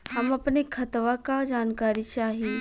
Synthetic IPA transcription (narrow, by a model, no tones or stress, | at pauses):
ɦɐmɐpnekʰɐt̪ʋakad͡ʒaːnkaːɾit͡ʃaːɦii